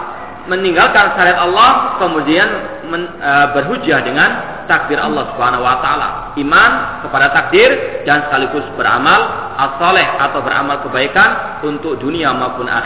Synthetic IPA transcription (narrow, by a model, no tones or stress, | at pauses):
məniŋɡalkanʃaɾiat̪ɑlːɔhkəmudian | məəbərɦud͡ʒahdəŋan | t̪ak̚dɪɾʔɑ̰lːɑhsubəɦanahwat̪aala̰ | ʔimankəpadat̪ak̚dɪrdansə̥kalikusbəɾa̰malʔasɑlɛhʔat̪awbəɾʔa̰malkəbaikan | unt̪ʊk̚duniamaupʊnʔa̰